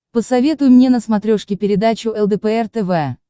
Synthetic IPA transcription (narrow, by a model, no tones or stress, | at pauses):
pəsɐvʲet̪ʊjʊmnʲenəsmɐt̪ɾʲoʂkʲɪpʲɪɾʲɪd̪at͡ɕʊɛlˠd̪ɛpəɛrt̪ɛvɛ